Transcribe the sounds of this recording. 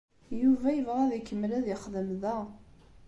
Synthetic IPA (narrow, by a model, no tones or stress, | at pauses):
juvæjəvʁæðikːəmːlæðjəχðəmðæ